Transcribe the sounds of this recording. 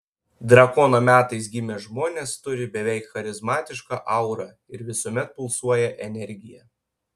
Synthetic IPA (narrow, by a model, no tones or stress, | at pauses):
d̪ɾɐkɔːnoːmʲæːt̪ɐɪsɡʲɪmʲeʒmoːnʲeːst̪ʊɾʲɪbʲɛʋʲɛɪkxɐɾʲɪzmɑːt̪ʲɪʃkɑːʔɐʊɾɑ | ɪɾʋʲɪsuɔmʲɛt̪̚pʊlˠsuɔjɛʔɛnʲɛɾʲɡʲɪjɛ